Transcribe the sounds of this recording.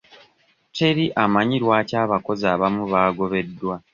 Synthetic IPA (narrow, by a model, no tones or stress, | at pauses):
te̞ɾiʔamaɲiɾwaːcaːβako̞zaːβamuβaːɡo̞βe̞dːwa